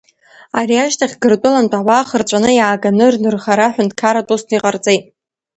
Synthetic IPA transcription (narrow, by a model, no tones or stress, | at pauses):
aɾiaʃtʰaχʲɡɨrtʷʼʊlantʷʼawaːχərt͡ʃʷʼanɨjaːɡanɨrnɨrχaɾaħʷᶣʊntʰʼkʰaɾatʷʼusʰniqʼart͡sʼejtʼ